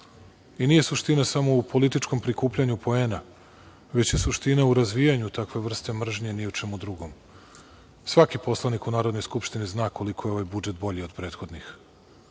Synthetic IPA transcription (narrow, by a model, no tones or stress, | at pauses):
iniːje̞suʃt̪inasamo̞upʰo̞lit̪it͡ʃko̞mpɾikuːplʎaɲupʰo̞ena | ʋe̞t͡ɕje̞suʃt̪inauɾazʋijaɲut̪akʋe̞ʋr̩st̪e̞mr̩ʒɲenijut͡ʃe̞mud̪ɾuɡo̞m | sʋakipo̞slˠanikunaːɾo̞d̪nojskupʃt̪iniznaːko̞likʰojeo̞ʋajbud͡ʒe̞t̪bo̞ʎio̞d̪pɾe̞ːt̪xo̞d̪nix